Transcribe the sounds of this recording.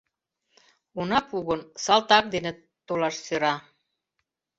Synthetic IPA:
unɑpuɣə̆nsɑlt̪ɑk̚d̪enĕ | t̪olɑʃsøɾɑ

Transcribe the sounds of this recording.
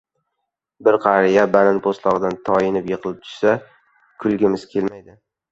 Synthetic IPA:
bɪɾqʰɑɾijabalɪnpʰost̪lˠɒʁɨd̪ant̪ʰɒɪnɪpjɨqʰɨlˠɪp̚t̪ʰʊ̥ʃsa | kʰʊlˠɡʲɪmɪz̥kʲʰe̞lmajd̪ɪ

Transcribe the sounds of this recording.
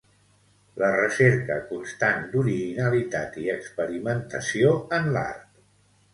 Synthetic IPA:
lərəseɾkəkunst̪and̪uɾiʒinəlit̪at̪iəkspəɾimənt̪əsioənla̰ɾt̪

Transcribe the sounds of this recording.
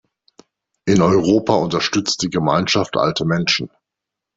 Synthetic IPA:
ʔɪnɔʏʁoːpʰaʊntɐʃtʏt͡st̚d̥iːɡəmaɪnʃaftʰʔa̰ltəmɛnʃn̩

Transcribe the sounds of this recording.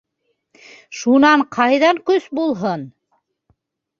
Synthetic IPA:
ʃunɑɴqʰɑjðɑŋkɵsbulˠɦon

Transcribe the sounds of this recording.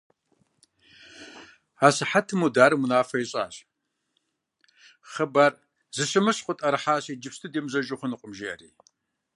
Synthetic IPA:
aːsɨħatʰɨmudaːɾɨmunaːfɐiɕʼa̰ːɕʼ | χəbar | zɨɕɨmɨɕqʷʼʊtʼɐɾɨħaːɕiːd͡ʒɪpstʰɨdeːmzɐʒʊχʷʊnɨqʷʼʊmʒeɐ̰rḭː

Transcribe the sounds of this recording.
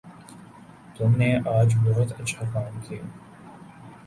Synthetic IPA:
t̪ʊmneʔaːd͡ʒbɔɦʊt̪ɐːʃʰakaːnt̪ʰi

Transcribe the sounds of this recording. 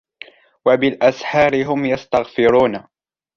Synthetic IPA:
wabɪlʔasħɑːɾɪɦʊmjast̪aɣfɪɾuːna

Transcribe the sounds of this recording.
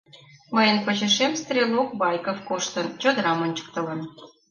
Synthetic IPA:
məjənpot͡ɕə̆ʃemst̪rʲelokβɑjkofkoʃt̪ə̆nt͡ɕod̪əɾɑmonʲt͡ɕə̥k̚t̪ə̆lə̆n

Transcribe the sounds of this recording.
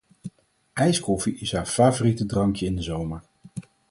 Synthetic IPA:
ɛjskɔfiʔɪsɦaːɹfaːvoritədrɑŋkjəɪndəzowməɹ

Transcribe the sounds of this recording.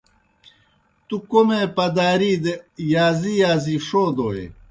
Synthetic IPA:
t̪ukomepɐd̪aːɾiːd̪ejaːzijaːziʂoːd̪oːḛ

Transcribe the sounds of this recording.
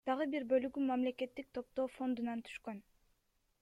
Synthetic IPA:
d̪̥ɑʁɯbiɾbø̞lyɡymamle̞ke̞t̪ːik̚t̪ʰo̞p̚t̪o̞ːfo̞nd̪unɑnt̪ʰy̥ʃkøn

